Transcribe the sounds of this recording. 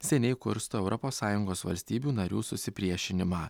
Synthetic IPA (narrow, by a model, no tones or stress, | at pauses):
sʲɛnʲɛɪkʊ̰ɾst̪oːɛʊɾʔɔpoːsːɑːjʊŋɡoːsʋɐ̰lʲsʲt̪ʲiːbʲuːnɐɾʲuːsʊsʲɪpʲɾʲiɛʃʲɪnʲɪmɑː